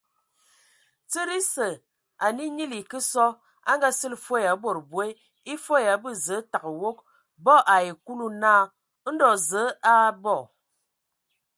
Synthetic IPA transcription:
t͡sə˦ɾi˦sə˨ | a˨ni˦ɲi˦li˨kə˦sɔ˦ | a̰˦ŋɡa˦sɨ˦lfo˦˨ja˨˦bo˨ɾbwe˦ | i˦fo˦ja˨˦bɨ˦˨zə˨˦ta˨kə˨wo˦k̚ | bɔ˦ʔa˨je˨ku˦lu˦naː˦˨ | n̩˦dɔ˨zə˨˦a˦bɔ˦˨

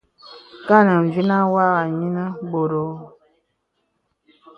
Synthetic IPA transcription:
ka˦˨nə˨ɱ˨vi˦na˦wa˦ɣa˨ɲi˦nə˦bo˨ɾo˨˦

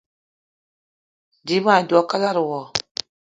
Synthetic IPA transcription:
di˨˦ma˨dɔ˨˦ka˦la˦ɾu˨wɔ˨

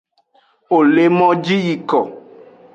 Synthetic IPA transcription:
o˨le˦mɔ̃˦d͡ʒi˦ji˨kɔ˨

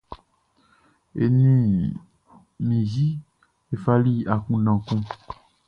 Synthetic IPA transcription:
ḛ˨nĩ˦ | mĩ˨zi˦ | e˨fa˦li˦a˨kũ˦ɖã˨kũ˦

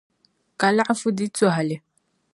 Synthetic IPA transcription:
ka˨la˦ʔfu˦di˦t͡sɔ˦˨ɦa˨lɪ˨

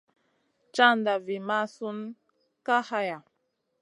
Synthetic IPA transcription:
t͡ʃa˦nda˨vi˨ma˦su˦n | ka˦ha˦ja˨

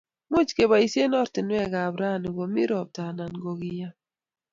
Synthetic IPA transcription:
mu˦t͡ʃke˨ba˨i˨sje˦nɔ˦ɾtɪ˨nwɛ˦˨ɡa˨bɾa˦˨ni˨ɡo˨mi˦ɾɔ˨b̚ta˨na˨nɡo˨ɡi˦ja˦

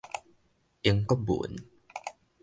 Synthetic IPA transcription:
ʔi˧˩ə˦ŋkɔ˦bṵ˨n

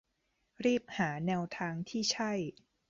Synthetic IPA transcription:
ɾiː˥˩p̚haː˩˦nɛː˧wt̪ʰaː˧ŋt̪ʰiː˥˩t͡ɕʰa˥˩j

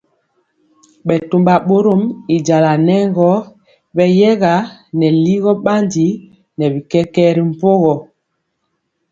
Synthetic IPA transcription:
ɓɛ˨tu˨mba˨ɓo˦ɾo˦mi˨d͡ʒa˨la˨nɛ˦ŋɡɔ˦ | bɛ˦jɛ˦ɣa˨˦nɛ˨li˦ɣɔ˦ɓa˦ndi˨˦ | nɛ˨βi˨kɛ˦kɛː˦ɾi˦m̩˦˨po˦ɣɔ˨

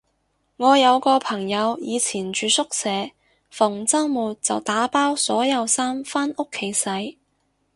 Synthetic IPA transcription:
ŋɔː˨˧jɐ˨˧wkɔː˧pʰɐ˨˩ŋjɐ˨˧wjiː˨˧t͡sʰiː˨˩nt͡ʃyː˨˧sʊ˥k̚sɛː˨˧ | fʊ˨˩ŋt͡sɐ˥ŋmuː˨t̚t͡sɐ˨wt̪aː˨˥paː˥wsɔː˨˥jɐ˨˧wsaː˥mfaː˥nʊ˥kʰːe˨˥jsɐ˨˥j

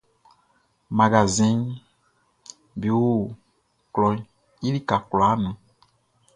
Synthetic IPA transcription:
mã˨ɡa˨zĩ˦n | bi˨wu˦ | klɔ˨˦ | i˦li˦ka˨klɔ˨a˦nũ˨

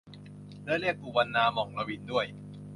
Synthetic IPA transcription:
lɯ˥˩li˥˩ək̚ʔuː˧wa˧nːaː˧mɔː˨˩ŋla˧wiː˧ndu˥˩əj

